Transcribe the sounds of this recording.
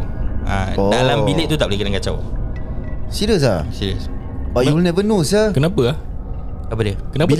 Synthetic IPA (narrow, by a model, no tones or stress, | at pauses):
a̰odalambilɪʔt̪ut̪aʔplikinaŋkat͡ʃa̰w | siɾəs̬asiɾəs | baʔjuwəlnɛbənusəkənapəah | apədiəkənab